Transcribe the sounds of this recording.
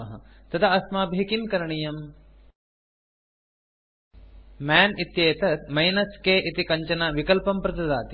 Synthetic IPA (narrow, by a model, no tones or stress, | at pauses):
ɐɦɐ̰t̪ɐt̪ʰɐɐsmaːbʱɦikimkɐɾɐɳijɐm | maːnit̪jeːt̪ɐt̪mɐjnɐskeːʔit̪ikɐɲt͡ʃɐnaʋikɐlpɐmpɾɐt̪ɐd̪aːt̪i